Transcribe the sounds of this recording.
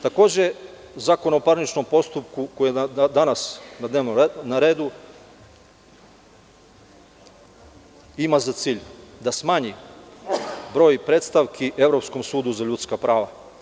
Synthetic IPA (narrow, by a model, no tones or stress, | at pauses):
t̪ako̞ːd͡ʑe̞ | zaːkonaopaɾnit͡ʃno̞mpo̞st̪up̚kukojed̪anasnad̪neʋnonaɾeːd̪u | imazat̪siːʎd̪asmaːɲi | bɾo̞ːjpɾet̪st̪aʋkʰiʔe̞vɾo̞psko̞msuːd̪uzaʎut̪skapɾaːʋa